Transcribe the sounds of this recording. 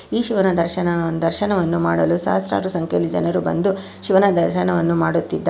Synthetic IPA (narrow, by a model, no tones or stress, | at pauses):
iːʃiʋɐnɐd̪ɐɾʃɐnɐnd̪ɐɾʃɐnɐʋɐnːumaːɽɐlusa̰ːsɾa̰ːɾusɐŋkʰelːid͡ʒɐ̰nɐɾubɐ̰nd̪u | ʃiʋɐnɐd̪ɐɾʃɐnɐʋɐnːumaːɽut̪ːid̪ːa